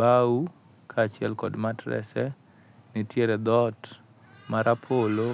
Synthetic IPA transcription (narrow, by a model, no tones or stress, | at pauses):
au | kʰaːt͡ʃɪɛ̰lkɔdmatɾɛ̰sɛ | nitjeɾɛd̪ɔt | maɾʔapʰolo